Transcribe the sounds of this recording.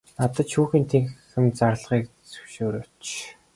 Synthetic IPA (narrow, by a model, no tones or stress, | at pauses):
nat̪ə̆ʃʰuːxiːnt̪ʰeŋxɘ̆mt͡sarɮʁiːk̚ | t͡sɵ̥wʃoːɾoːt͡ɕ